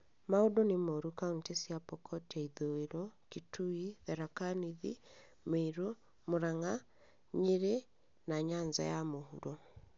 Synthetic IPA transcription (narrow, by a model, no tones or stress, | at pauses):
maodɔnemoɾukauntesjapɔkʰɔtɛiðoeɾɔkitʰuiðɛɾakaniðḭ | meiɾo | moɾaŋa | ɲeɾe | naɲaɲza̰jamohuɾɔ